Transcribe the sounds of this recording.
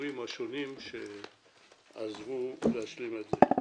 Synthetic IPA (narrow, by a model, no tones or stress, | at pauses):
imhaʃo̞nimʃe | a̰zvuleaʃlimetze